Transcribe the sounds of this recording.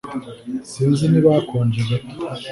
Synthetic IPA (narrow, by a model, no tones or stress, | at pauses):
siːnziniβaːkʰoːɲd͡ʒize